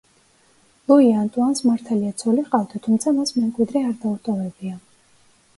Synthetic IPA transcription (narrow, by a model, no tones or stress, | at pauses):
lˠuiant̪ʼuansmaɾt̪ʰaliat̪sʰɔliqʼavd̪at̪ʰumt̪sʰamasmɛmkʼwid̪ɾɛaɾd̪aut̪ʼɔvɛbia